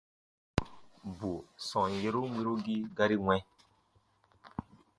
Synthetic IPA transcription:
bu˨sɔ̃˨je˦ɾo˦wʷi˦ɾo˦ɡi˦ɡa˦ɾi˦ŋwɛ̃˦

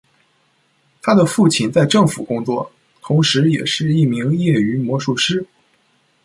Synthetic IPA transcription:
t̪ʰa˥d̪ə˨fu˥˩t͡ɕʰi˥˩nt͡sa˥˧ɪʈ͡ʂɤ˥˩ŋfṵ˨˩kʊ˥ŋt͡swɔ˥˩ | t̪ʰʊ˧˥ŋʂɻ̩˧˥jɛ̰˨˩ʂɻ̩˥˧i˥˩mi˧˥ŋjɛ˥˩y˧˥mwɔ˧˥ʂu˥˩ʂɻ̩˥

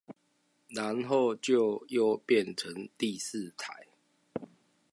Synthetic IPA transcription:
na˨˦nɦo˥˨ʊt͡ɕjo˥˨ʊjo˥˨ʊpjɛ˥˨nʈ͡ʂʰə˨˦ŋt̪i˥˨s̩˥˨t̪ʰa˨˦ɪ

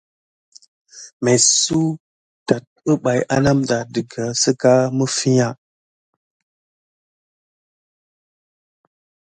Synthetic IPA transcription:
me˨su˦ | ta˨t̚ə˦ɓa˨jʔa˦na˦mɗa˨dɨ˨ɡa˨sə˦ka˦mə˦fi˦a˦˨

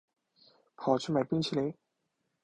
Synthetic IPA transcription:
pʰɑ˨˩ʊt͡ɕʰy˥ma˨˩pi˥ŋt͡ɕʰi˧˥˩le˨˧˦ɪ

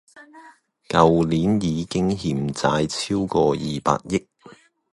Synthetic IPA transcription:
kɐ˨wliː˨˥njiː˨˧kɪ˥ŋɦiː˧mt͡saː˧jt͡sʰiː˥wkɔː˧jiː˨pa̰ː˧t̚jɪ˥k̚

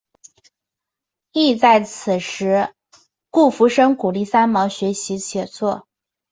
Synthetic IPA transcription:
i˥˧t͡sa˥˩ɪt͡sʰɹ̩˨˩ʂɻ̩˧˥ | ku˥˩fu˧˥ʂɤ˥ŋku˨˩li˥˩sa˥nmɑ˧˥ʊɕɥɛ˧˥ɕi˧˥ɕʰjɛ˨˩t͡swɔ˥˩

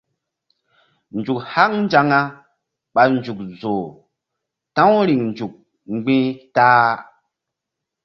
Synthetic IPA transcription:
n˨d͡ʒu˨kha˦ŋn˦d͡ʒa˦ŋa˦ | ɓa˨nd͡ʒu˨k̚zo˨ | tã˦wɾi˨ŋnd͡ʒu˨k̚ | ŋ͡mɡ͡bĩ˦ta˦

